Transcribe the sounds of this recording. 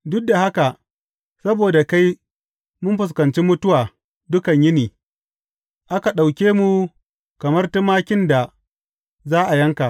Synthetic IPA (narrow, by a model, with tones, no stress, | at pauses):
dʊ˦k̚da˨ha˦ka˨ | sɐ˦boː˨da˨ka˦j | mʊ˦mɸʊ˨s̬kɐ˨nt͡ʃiː˦mʊ˦tʊ˦waː˨ | dʊ˦kɐ˨ɲjɪ˦niː˨ | ʔa˦ka˨ɗa˨wkʲeː˦mu˨ | kɐ˨mɐ˦rtɪ˦maː˦kʲɪ˦nda˨ | zaː˦ʔa˨jɐ˦ŋka˨ʔ